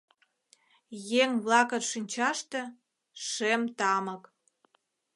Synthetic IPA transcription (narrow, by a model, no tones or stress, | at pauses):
jeŋβlɑkə̆nʃinʲt͡ɕɑʃt̪ĕ | ʃemt̪ɑmək